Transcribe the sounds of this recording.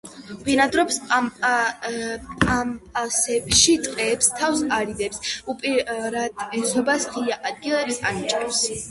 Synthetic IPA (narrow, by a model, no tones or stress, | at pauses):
binad̪ɾɔps | ampʼasɛbʃit̪ʼqʼɛːpst̪ʰafsaɾid̪ɛpsupʼiɾad̪ɛsɔbasʁiaʔad̪̚ɡilˠɛpsa̰nit͡ʃʼɛfs